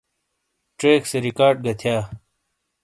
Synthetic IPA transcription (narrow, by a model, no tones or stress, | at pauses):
ʈɾeːkseɾikaːɖ̚ɡɐt̪ʰjaː